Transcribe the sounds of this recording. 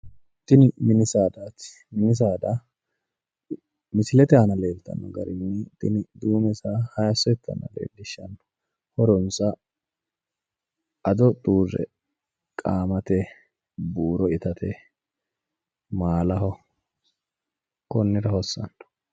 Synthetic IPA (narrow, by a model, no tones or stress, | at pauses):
t̪ɪnɪmɪnɪsaːd̪aːt̪ | mɪnɪs̬aːd̪a | mɪsɪlɛt̪ɛhɐnɐle̞ːlt̪ɐ̰nːɔ̰ɡɐ̰ɾɪnːɛt̪ɪnɪd̪uːmɛsahɐjɐsːɔɛt̪ːɐ̰nɐ̰lḛːlːɪʃːɐnɔ̥ | hɔɾɔnsɐ | ʔɐd̪ɔt̪ʼuːzɛ̰ | kʼaːmɐt̪ɛ | buːɾɔɪt̪ɐt̪ɛ | maːlɐhɔ | kɔnːɛɾɐhɔsːɐ̰nːɔ̥